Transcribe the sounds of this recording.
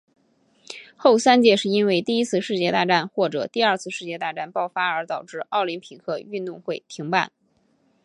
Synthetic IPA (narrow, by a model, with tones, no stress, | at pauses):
xo˥˩ʊsa˥nt͡ɕjɛ˥˧ʂɻ̩˥˩i˥nwe˥˧ɪt̪i˥˩i˥t͡sʰɹ̩˥˧ʂɻ̩˥˧t͡ɕjɛ˥˧t̪a˥˧ʈ͡ʂa˥˩nxwɔ˥˩ʈ͡ʂɤ˨˩t̪i˥˧ɐ˞˥˧t͡sʰɹ̩˥˧ʂɻ̩˥˧t͡ɕjɛ˥˧t̪a˥˧ʈ͡ʂa˥˩npɑ˥˧ʊfa˥ə˞˧˥t̪ɑ˨˩ʊʈ͡ʂɻ̩˥˧ɑ˥˩ʊli˧˥npʰi˨˩kʰɤ˥˧y˥˧nt̪ʊ˥˧ŋxwe˥˩ɪt̪ʰi˧˥ŋpa̰˥˩n